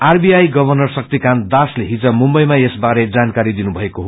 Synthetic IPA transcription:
arbiajɡʌbʱʌrnʌrsʌk̚t̪ikand̪asleɦit͡sʌmumbʌjmaesbaɾed͡zankaɾid̪inubʱʌekoɦo

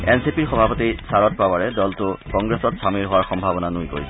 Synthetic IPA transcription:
ɛnsipiɹxɔbʱapɔtisaɹɔt̚pawaɹɛdɔltʊkɔŋɡɹɛsɔtsamiɹɦowaɹxɔmbʱabɔnanujkoɹisɛ

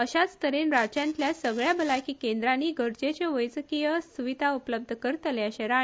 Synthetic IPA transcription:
əɕat͡st̪əɾenɾat͡ɕjãnt̪ljasəɡɭjabəlajkiːkẽnd̪ɾaniɡʱəɾd͡ʑet͡ɕeʋəjt͡səkijəsuʋid̪ʱaupləb̚d̪ʱəkəɾt̪əleəɕeɾã

